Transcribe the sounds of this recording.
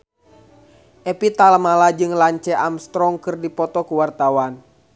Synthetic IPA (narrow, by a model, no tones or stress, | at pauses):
ʔɛpit̪alamalad͡ʒɨŋlaɲt͡ʃɛʔamst̪ɾɔŋkɨrdipɔt̪ɔkuwart̪awan